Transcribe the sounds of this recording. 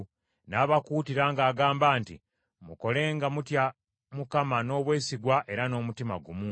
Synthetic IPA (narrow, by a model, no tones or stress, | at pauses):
naːβakuːtiɾaːŋɡaːɡaːmbaːntḭ | muko̞le̞ːŋɡamutja | mukamano̞ːβwe̞ːsiɡwaʔe̞ɾano̞ːmutima̰ɡumuː